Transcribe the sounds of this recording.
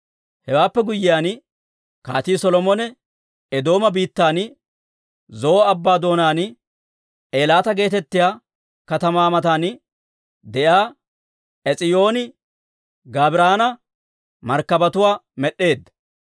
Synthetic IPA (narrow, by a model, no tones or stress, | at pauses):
hɛwaːpːɛɡʊjɪjaːn | ka̰ːt̪iːsɔlɔmɔnɛ | ɛd̪o̞ːmɐbiːt̪ːaːn | zɔːɐbːaːd̪o̞ːnaːn | ʔe̞ːlaːt̪ɐɡe̞ːt̪ɛt̪ːɪjaː | kɐt̪ɐmaːmɐt̪aːn | d̪ɛjaː | ɛt͡sʼɪjo̞ːnɪ | ɡaːbɪɾaːnɐ | mɐɾkːɐbɐt̪ʊwaːmɛɗːe̞ːd̪ːɐ